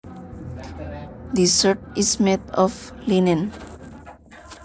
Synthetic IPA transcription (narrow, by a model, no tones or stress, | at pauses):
d̪isəʈ̚ismed̪ɔflinɛ̃n